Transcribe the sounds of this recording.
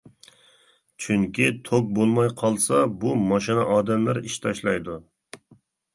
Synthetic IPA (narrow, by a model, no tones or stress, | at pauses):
t͡ʃʰyŋkʲit̪ʰok̚bolˠmɑjqʰɑlˠsɑbumɑʃinɛʔɑːd̪ɛmlæɾiʃt̪ʰɑʃlˠɑjd̪u